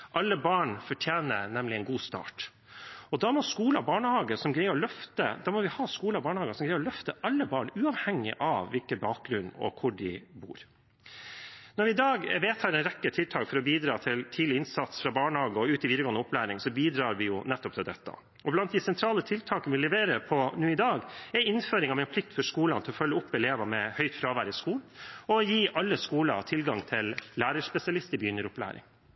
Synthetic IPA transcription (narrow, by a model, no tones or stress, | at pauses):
ʔɑlːəbɑːɳfɔʈʰjeːnənɛmlɪɛɪnɡuːst̪ɑ̰ːʈ | ɔd̪ɑmɔskuːləbɑːɳəhɑːɡəsɔmɡɾæɪəɾɔlœft̪əd̪ɑmɔʋɪhɑːskuːlɑbɑːɳəhɑːɡəsɔmɡɾæɪɾɔlœft̪əʔɑlːəbɑːɳʉːɑʋhɛŋːɪ̰ʔɑʋʋɪlkəbɑːk̚ɡɾʉnːɔ̰kʰʊɖɪ̰bṵːɾ | nɔɾʋɪɪd̪ɑːɡʋeːt̪hæːɾɛnɾɛkːət̪ʰɪlt̪ʰɑːkfɔɾɔbiːd̪ɾɑːt̪ʰɪlt̪ʰiːd̪lɪɪnsɑt̪sfɾɑbɑːɳəhɑːɡəɔʉːt̪ɪʋiːd̪əɡoːənəɔplæːɾɪŋsɔbiːd̪ɾɑːɾʋɪjʊnɛt̪ːɔpt̪ʰɪld̪ɛt̪ːɑ̰ | ɔblɑnt̪̚d̪ɪsɛnt̪ʰɾɑːlət̪ʰɪlt̪ʰɑːkənʋɪlɛʋeːɾəpʰɔnuːɪd̪ɑːɡɛɾɪnføːɾɪŋɑʋmɛɪnpʰlɪk̚t̪fɔʂkuːlɑ̰nt̪ʰɪlɔfœlːəʊpːɛleːʋɑmɛhœʏt̪fɾɑːʋæɾɪskuːlɔjiːʔɑlːəskuːlɑ̰t̪ʰɪlɡɑŋt̪ʰɪlːæːɾəʂpɛsɪɑlɪst̪əbjʏnəɾʊplæ̰ːɾɪ̰ŋ